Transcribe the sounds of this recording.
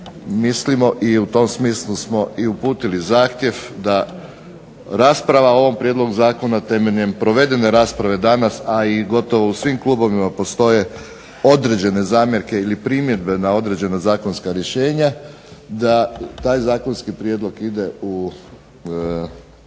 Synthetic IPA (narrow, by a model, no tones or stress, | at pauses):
mislimo̞ʔiut̪o̞msmiːslˠusmo̞ʔiupuːt̪ilizaːxt̪je̞ʋd̪a | ɾaːspɾaʋao̞ʋompɾʲjed̪lˠo̞ɡuzaːko̞nat̪e̞meʎɲe̞mpɾo̞ʋe̞d̪e̞ne̞ɾaːspɾaʋe̞d̪anasaiɡo̞t̪o̞ʋousʋimklˠuːbo̞ʋimapo̞st̪o̞je̞ | o̞d̪ɾe̞d͡ʑe̞ne̞zaːmjeɾke̞ilipɾimje̞d̪be̞nao̞d̪ɾe̞d͡ʑe̞nazaːko̞nskaɾjeʃe̞ːɲa | d̪at̪aːjzaːkonskipɾje̞d̪lˠo̞ɡid̪e̞u